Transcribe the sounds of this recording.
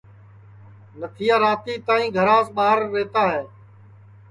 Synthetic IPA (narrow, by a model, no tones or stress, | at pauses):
nət̪ʰijãːɾaːt̪iːt̪aːĩːɡʱəɾaːsɓaːɦəɾːeːt̪aːɦɛː